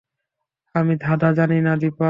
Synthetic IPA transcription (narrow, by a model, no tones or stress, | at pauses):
amid̪ʱad̪ad͡ʑaninad̪ipa